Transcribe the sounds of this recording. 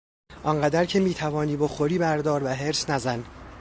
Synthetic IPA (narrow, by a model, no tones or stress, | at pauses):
ʔɒŋɢæd̪æɾcʰemiːt̪ʰævɒːniːboxoɾiːbæɾd̪ɒːɾvæɦeɾsnæzæn